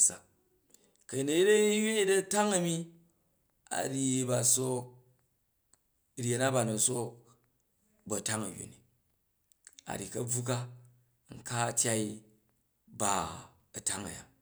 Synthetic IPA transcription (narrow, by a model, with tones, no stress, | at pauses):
sa̰˨ | kɐ˨ji˨nɐ˨ji˦dɐ˦jʲu˦ji˦dɐ˦ta˦ŋɐ˨mi˦ | a̰˨ɾi˨ba˨so˦k̚ | ɾje˨na˦ba˨nɐ˨so˦ | bɐ˨ta˦ŋɐ˨jṵ˨ni˨ | a̰˨ɾi˨kɐ˦b͡vu˦ka˦ | ŋ̩˨ka˦˨tʲa˦i˦ | ba˨ | ɐ˨ta˦ŋɐ̰˨ja̰˨